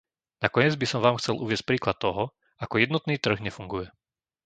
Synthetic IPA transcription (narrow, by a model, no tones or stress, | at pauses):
nakɔɛd͡zbisɔmʋaːmxt͡sɛlʔṵʋɪɛsc̚pɾiːklat̪ːɔɦɔ | akɔjɛd̪nɔt̪niːt̪r̩ɣɲɛfuŋɡujɛ